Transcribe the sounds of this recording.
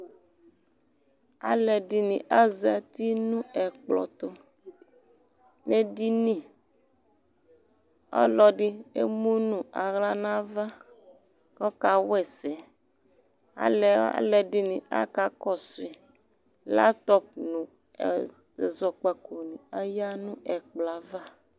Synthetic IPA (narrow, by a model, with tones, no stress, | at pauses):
a̰˨lɛ˨ɖi˨nĩ˨ʔa˦zɛ˨t̪i˦nũ˦ɛ˨k͡plɔ̰˨t̪o˦ | nẽ˦di˦nĩ˦ | ɔ̰˦lɔ˨ɖi˦ḛ˦mũ˦nũ˨a˨ɣla˦nã˦va˦ | kɔ˦ka˨wɛ˦˨sɛ˨ | a̰˨lɛ˨a̰˦lɛ˨di˦nĩ˨a̰˦ka˦kɔ˨si˨ | la̰˦t̪ɔ˦p̚nṵ̃˨ | ɛ˨zɔ˨k͡pa˨ko˨nĩ˨a˦ja˦nũ˦ɛ˨k͡pla˨va˦